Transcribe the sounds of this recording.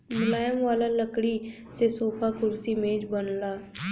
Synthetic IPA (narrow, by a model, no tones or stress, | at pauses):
mʊlaːjəmʋaːlaːləkɽiː | seːsoːpʰaːkʊɾsiːmẽːd͡ʒbənlaː